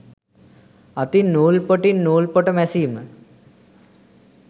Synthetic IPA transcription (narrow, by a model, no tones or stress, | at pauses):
at̪inːoːlpoʈinːoːlpoʈəmɛsiːmə